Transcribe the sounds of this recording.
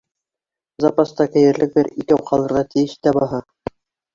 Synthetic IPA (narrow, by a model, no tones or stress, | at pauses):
zɑpɑst̪ɑkæ̆jɘ̆ɾlɘk̚b̪ɘɾikæwqʰɑlˠɤ̆ɾʁɑt̪ɘ̆jɘʃt̪æbɑɦɑ